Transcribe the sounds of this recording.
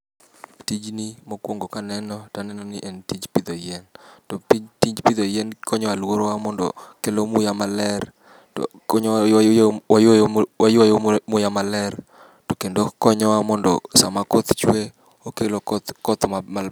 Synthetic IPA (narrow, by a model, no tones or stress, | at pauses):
tid͡ʒnimokwoŋɡokanɛnɔtanɛnɔniʔentid͡ʒpid̪ojɛntɔpitid͡ʒpid̪ojɛnkʰɔɲɔwalwoɾwamɔndɔ̰kelomʊjamalɛr | tɔ̰kɔɲ | wajowajojomʊjamalɛr | tɔkendokɔɲɔwamɔndɔsamakot̪t͡ʃwe | okelokɔt̪mma